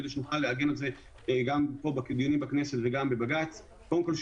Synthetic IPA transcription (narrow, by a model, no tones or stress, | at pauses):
ed̪eʃ̬enuχalːeaɡenelze | ɡampo̞bakid̪jonimbakneset̪veɡambebaɡat͡s | kodemko̞lʃ